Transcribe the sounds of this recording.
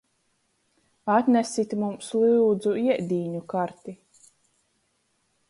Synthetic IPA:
at̪nʲæsit̪ʲmumsliwd̪zuiɛd̪ʲiːɲukaɾt̪i

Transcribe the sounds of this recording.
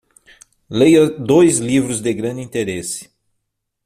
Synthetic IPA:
lejɐd̪ojzlivɾʊzd̪ɪɡɾɐ̃nd̪ĩt̪eɾesɪ̥

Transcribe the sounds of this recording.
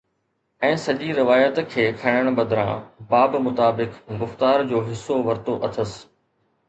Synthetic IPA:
ɛ̃ːsɐʄiɾɪʋaːjət̪kʰeːkʰɐɽ̃əɽ̃bɐd̪ʱɾã̰ːbaːbmʊt̪aːbɪkɡʊft̪aːɾd͡ʑoːɦɪsːoʋɐɾt̪oʔɐt̪ʰəs

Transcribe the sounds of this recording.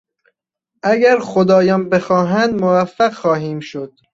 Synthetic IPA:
ʔæɡæɾxod̪ɒːjɒːnbexɒːɦænd̪movæfːæɣxɒːɦiːmʃod̪̥

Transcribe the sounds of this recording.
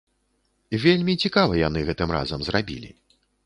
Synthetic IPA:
vʲelʲmʲit͡sʲikavɐjan̪ɨɣɛt̪ɨmra̰zɐmzrabʲḭlʲḭ

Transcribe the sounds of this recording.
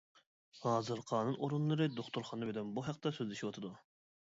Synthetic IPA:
hɑːzɨɾqʰɑːnɨnoɾunlˠɨɾɨd̪oχt̪uɾχɑnbed̪ɛmbuɦæq̚t̪ɛsøzlʲɪʃiwɑt̪ʰɨd̪u

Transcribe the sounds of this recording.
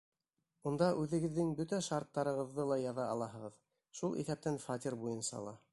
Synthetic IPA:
und̪ɑʔʉðɘ̆ɡɘ̆ðːɘŋbɵt̪æʃɑɾt̪ːɑɾɤ̆ʁɤ̆ðːɤlˠɑjɑðɑɑlˠɑɦɤ̆ʁɤð | ʃulˠʔḭθæp̚t̪ænfat̪ʲiɾbujɤnsɑ̰lˠɑ

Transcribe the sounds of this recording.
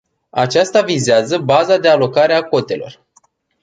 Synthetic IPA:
at͡ʃast̪avizeazəbazad̪e̞alo̞kaɾeako̞t̪e̞lo̞̰r

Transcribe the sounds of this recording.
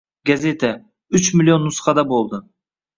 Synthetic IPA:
ɡazet̪ʰa | ʊt͡ʃmɪlʲijonːʊsχɑd̪abolˠd̪ɪ

